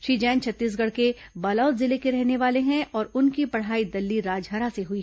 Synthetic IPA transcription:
ʃiːd͡ʒɛ̃ːnt͡ʃʰɐt̪ːiːs̬ɡɐɽ̤ke | baːlaːt̪zɪlekeɾɛɦneʋaːleɦɛ̃ʔɔːɾʊnkipɐɽ̤aːid̪ɐlːiɾaːd͡ʒɦɐɾaseɦʊi

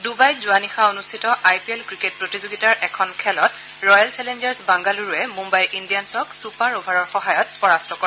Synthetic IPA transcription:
dubajzʊanixaonustʰitɔʔajpiɛlkɹiket̚pɹotizoɡitaɹʔɛkʰɔnkʰɛlɔt | ɹɔjalt͡ʃɛlend͡ʒaɹsbaŋɡaluɹuɛmumbajlʔindijansɔksupaɹobʱaɹɔɹxɔɦajɔt̚pɔɹastɔkɔ

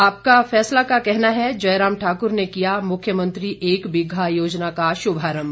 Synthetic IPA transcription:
aːp̚kafɛːslakakɛɦnaɦɛd͡ʒɐjɾaːmʈʰaːkʊɾnekijamʊkʰːjəmə̃nt̪ɾiʔeːkbɪɡʱajoːd͡ʒnakaʃʊbʱaːɾəm

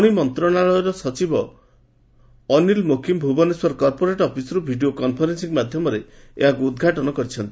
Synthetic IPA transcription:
ɽ̃imɔnt̪ɾɔɽ̃aɭɔɔɾɔsɔt͡ʃibɔ | ɔnilmokʰimbʱubɔneswɔɾkɔɾpoɾeʈɔpʰisɔɾubʱiɖiokɔnpʰɔɾensiŋmad̪ʱjɔmɔɾeeɦakuːd̪ɡʱaʈɔnɔkɔɾit͡ʃʰɔnt̪i

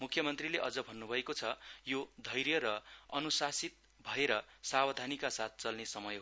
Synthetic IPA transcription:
mukʰjʌmʌnt̪rileʔʌd͡zʌbʱʌnːubʱʌekot͡sʰʌjod̪ʱʌjɾjʌɾʌʌnusasit̪̚ | bʱʌeɾʌsabʌd̪ʱanikasat̪̚ʰt͡sʌlnesʌmʌj

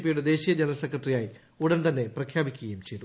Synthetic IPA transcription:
pːijuɽe̞d̪e̞ːɕijɐd͡ʑɐnɐsekʰːɐʈrijaːji | uɽɐnt̪ɐnːe̞prɐkʰjaːbikʲːuɣɐjumt͡ɕejt̪u

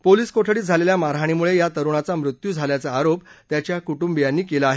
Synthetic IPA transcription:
poliːskoʈʰəɽiːd͡zʱaleljamaɾɦaɽ̃imuɭejat̪əɾuɳ̃at͡samɾut̪juːd͡zʱaljat͡saːɾopt̪jat͡ɕjakuʈumbijanːiːkelaaɦe

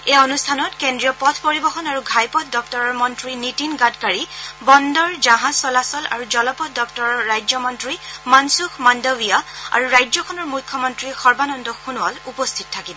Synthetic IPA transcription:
eɔnustʰanɔtkendɹijɔpɔtʰpoɹibɔxɔnaɹuɡʱajpɔtʰdɔktɔɹɔɹmɔntɹinitinɡatkaɹibɔndɔɹd͡ʒaɦãsɔlasɔla̰ɹud͡ʒɔlɔpɔtʰdɔktɔɹɔɹajzɔmɔntɹimansukʰmandɔwijaa̰ɹuɹajzɔkʰɔnɔɹmukʰːɔmɔntɹixɔɹbanɔndɔxunʊalupɔstʰitɔtʰːakibɔ

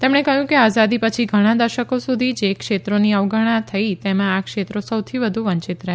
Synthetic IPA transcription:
t̪emɽ̃ekəɦjũkeazad̪ipət͡ʃʰiɡʱəɽ̃ãd̪əɾʃəkosud̪ʱid͡ʒekʃet̪ɾoniəʋɡʱəɽ̃at̪ʰəit̪emãakʃet̪ɾosəwt̪ʰiʋəd̪ʱuʋəɲt͡ʃɪt̪ɾəɦ

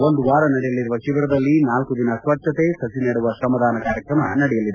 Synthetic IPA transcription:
ond̪uʋaːɾɐnɐɽɛjɐlːiɾuʋɐʃiʋɾɐd̪ɐlːinaːlkud̪inɐsʋɐʈʂɐt̪esɐsiniːɽuʋɐsɐmːɐd̪ʱaːnɐkaːɾjɐkɾɐmɐ̰nɐɽɛjɐlid̪e

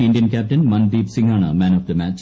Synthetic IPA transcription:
ɪnɖjɐnkæːp̚ʈɐnmɐnbiːbsiŋaːɳamæːnɔfd̪ɐmæːt͡ɕ

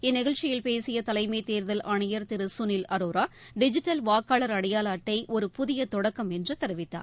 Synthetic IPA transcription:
ɪnːɪɣɐɭt͡ʃːɪjɪlpeːsɪjɐt̪ɐlɐɪmɐɪt̪eːɾðɐlʔɐɳɐjɐɾt̪ɪɾɯsʊnɪlɐɾoːɾaː | ɖɪd͡ʒɪʈːɐlʋaːkːaːlɐɾɐɽɐjaːlaːʈːɐɪʔɔɾɯpʊðɪjɐt̪ɔɽɐkːɐmɛndrɯt̪ɐɾɪʋɪt̪ːa̰ː

